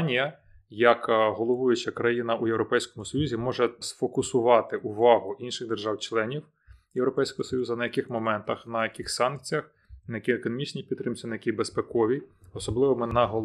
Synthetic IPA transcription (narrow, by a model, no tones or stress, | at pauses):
nʲijɐ | jɐkɦɔlˠɔʋujʊt͡ʃɐkɾɐjinɐʔujewɾɔpɛjsʲkɔmʊsɔjuzʲimɔʒɛsfɔkʊsʊʋɑt̪ɪʔʊʋɑɦʊʔinʃɪɣd̪erʒɑwt͡ʃlˠɛnʲiw | jewɾɔpɛjsʲkɔɦɔsɔjuzɐnɐjɐkɪxmɔmɛnt̪ɐxnɐjɐkɪxsɑnk̚t͡sʲijɐx | nɐjɐkʲiekɔnɔmʲit͡ʃnʲipʲid̪t̪ːɾɪmt͡s̪ʲɐnɐjɐkʲibespɛkɔʋʲiɔsɔblˠɪʋɔmɛnɐɦɔ